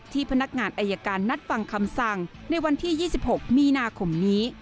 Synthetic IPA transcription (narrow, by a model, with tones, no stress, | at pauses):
t̪ʰiː˥˩pʰa˧na˦˥k̚ŋaː˧nʔa˧ja˧kaː˧nːa˦˥t̪̚fa˨˩ŋkʰa˧msa˨˩ŋna˧jwa˧nt̪ʰiː˥˩jiː˥˩si˨˩p̚ho˨˩k̚miː˧naː˧kʰo˧mniː˦˥